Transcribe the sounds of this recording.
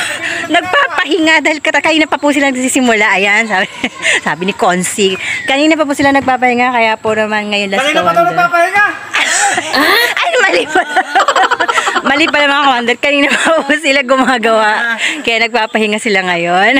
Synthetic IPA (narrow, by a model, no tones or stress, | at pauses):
nɐɡ̚paːpɐhɪŋad̪aːhɪlkɐt̪ɐkɐniːnɐpɐpus̬ɪlanɐɡ̚siːsɪmʊlaʔɐjansabɪsaːbɪnɪkonsikɐniːnɐp̬ɐpʊsɪlanɐɡ̚paːp̬ɐhɪŋakɐjaponɐmanŋɐjonlɐsɐd̪ɛpɐhɪŋa | ʔ | ʔɐjmɐlipɐ | mɐliːpɐlɐmɐakɐnd̪ɛɾkɐniːnɐpɐpʊsɪlaɡʊmaːɡɐwaʔkɐjaʔnɐɡ̚paːpɐhɪŋasɪlaŋɐjon